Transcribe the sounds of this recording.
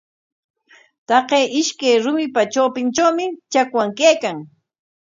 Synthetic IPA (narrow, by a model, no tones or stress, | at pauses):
t̪ɑqeʔɪʃkajɾʊmɪpat͡ʃawpɪnt͡ʃawmɪt͡ʃakwaŋkajkaŋ